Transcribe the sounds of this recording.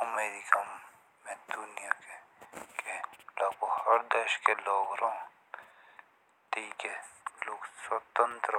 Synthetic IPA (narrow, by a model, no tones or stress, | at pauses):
ɐmeːɾiɡɐmː | ẽd̪ʊnijakekelɐbohɐɾd̪eʃkeloːɡɾõː | t̪iːkelukswɐt̪ənt̪ɾə